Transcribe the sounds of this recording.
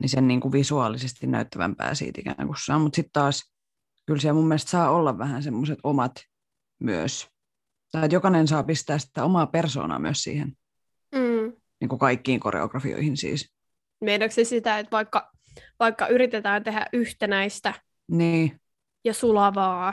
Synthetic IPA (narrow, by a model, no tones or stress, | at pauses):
nisenniːŋkuʋisuɑːlisest̪innæ̰yt̪ːæʋæ̰mpæ̰ːsḭːt̪ḭkæ̰ŋkusːɑ̰ːmmut̪sit̪t̪ɑːs | kylsiæmumːelest̪sɑːolːɑʋʋæhænsemːoset̪omɑt̪ | myø̰s | t̪ɑiet̪jokɑnensɑːpist̪æːssit̪ːæomɑːperso̰ːnɑ̰ːmyøssḭːhen | m̩ː | niːŋkukɑikːiːŋko̰rḛo̰ɡrɑfḭo̰ihinsḭːs | meinɑksesit̪æet̪ʋɑikːɑ | ʋɑikːɑʔyɾit̪et̪æːnt̪ehæ̰ʔʔyht̪enæist̪æ | niː | jɑsulɑʋɑː